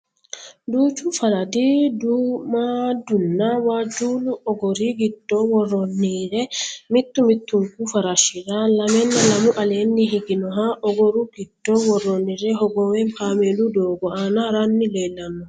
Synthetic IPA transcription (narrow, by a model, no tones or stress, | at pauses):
d̪uːt͡ʃufɐɾɐd̪iːd̪umaːd̪ʊnːawaːd͡ʒuːlʊʔɔɡɔɾiːɡɪd̪ːoːwɔrːɔnːiːɾɛmɪt̪ːʊmɪt̪ːʊŋkufɐɾaʃɪɾalɐmɛnːɐlɐmʊʔɐleːnːiɦɪɡɪnɔɦaʔɔɡɔɾuɡɪd̪̥ːoːwɔrːɔnːiɾɛɦɔɡɔwɛŋfaːmelud̪oːɡɔaːnaɾanːɪleːlːɐnːɔ